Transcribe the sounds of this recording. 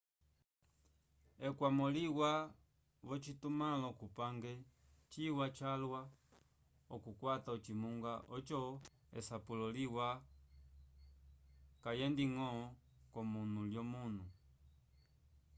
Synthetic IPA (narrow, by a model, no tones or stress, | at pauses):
ɛkwamɔliwa | βɔt͡ʃitumalɔkupaŋɡɛ | t͡ʃiwat͡ʃalwa | ɔkukwataɔt͡ʃimuŋɡaʔɔt͡ʃɔ | ɛsapulɔliwa | kajɛndiŋɔ | kɔmunuljɔmunu